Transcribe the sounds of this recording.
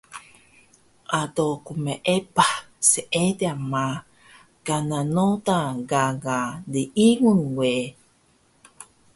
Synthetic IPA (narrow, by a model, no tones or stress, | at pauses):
ʔat̪okumeʔepahseʔet̪eama | kananot̪aɡaɡadeʔiŋunwe